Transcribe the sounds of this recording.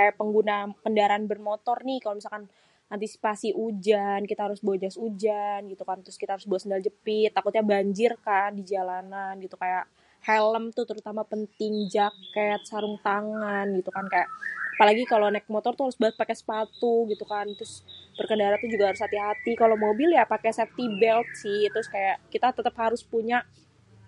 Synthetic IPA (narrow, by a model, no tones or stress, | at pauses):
ajapəŋɡunakəndaɾaanbərmot̪ɔrnɪkalomisalkan | ant̪isi̥pasiʔud͡ʒankit̪aɦaɾʊsbad͡ʒasud͡ʒanɡit̪ukant̪ɾʊskit̪ahaɾʊsbuat̪səndald͡ʒəpɪt̪ːakʊt̪̚ɲabaɲd͡ʒɪrkandid͡ʒalananɡit̪ukajaʔ | hɛləmt̪ut̪əɾut̪amapənt̪ɪŋd͡ʒakɛt̪̚saɾʊŋt̪aŋanɡit̪ukankajaʔapalaɡikalonɛk̚mɔt̪ɔrt̪uhaɾʊsbaaspakɛsə̥pat̪uɡit̪ukant̪ɾʊsb̥ərkəndaɾat̪ud͡ʒuɡahaɾʊshat̪iɦat̪ikalomobiljapakaasɛf̚t̪ibɛlt̪̚sɪht̪ɾʊskajaʔkit̪at̪ət̪əphaɾʊspuɲaʔ